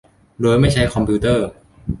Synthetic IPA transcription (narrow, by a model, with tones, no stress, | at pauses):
luː˧jma˥˩jt͡ɕʰa˦˥jkʰɔ˧mpʰiː˧˥t̪ɤː˥˩